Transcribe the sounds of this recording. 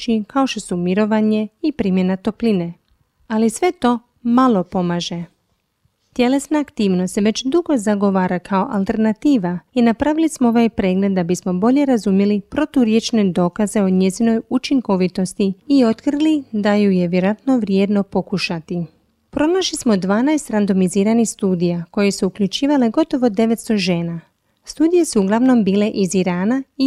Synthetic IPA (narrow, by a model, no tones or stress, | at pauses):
t͡ʃikao̞ʃt̪o̞sumiɾo̞ʋaɲeipɾimje̞nat̪o̞pline̞ | alisʋe̞t̪o̞ː | malˠo̞po̞maːʒe̞ | t̪je̞le̞snaːkt̪iːʋnost̪ʋe̞t͡ɕd̪uɡo̞zaɡo̞ʋaːɾakʰao̞ʔalˠt̪e̞ɾnat̪iːʋainapɾaʋilismoo̞ʋajpɾe̞ːɡle̞d̪d̪ːabismo̞bo̞ʎe̞ɾazumjelipɾo̞t̪uɾje̞t͡ʃne̞d̪o̞ːkaze̞oɲe̞zino̞jut͡ʃiŋko̞ʋit̪o̞st̪iio̞t̪krlid̪ajujeʋjeɾoat̪no̞ʋɾje̞ːd̪no̞po̞kuʃat̪i | pɾo̞naʃlismo̞d̪ʋaːnajst̪ɾand̪o̞miziːɾanixst̪uːd̪ijako̞je̞suukʎut͡ʃiːʋale̞ɡo̞t̪o̞ʋo̞d̪e̞ʋet̪st̪o̞ʒe̞ːna | st̪uːd̪ije̞suːɡlaʋno̞mbiːle̞ʔiziɾaːnai